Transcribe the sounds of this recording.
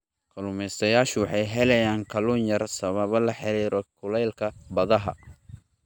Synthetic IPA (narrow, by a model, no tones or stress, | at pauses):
kʰɐlʊmɛsɐjaːʃʊwɑħɑjɦɛlɛjaːŋkʰɐlunjɐrsɐβɐβɐlɐħɪɾiːɾɔkʰʊlɛjlkʰɐbɐðɐɦɐ̰